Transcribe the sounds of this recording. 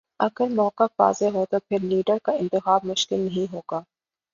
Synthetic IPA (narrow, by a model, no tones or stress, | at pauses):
ɐɡəɾmɔːkaba̰ːzeɦot̪opʰɪɾliːɖəɾkaɪ̃nt̪ɪxaːbmʊʃkɪlnɐɦĩɦoːɡ̥aː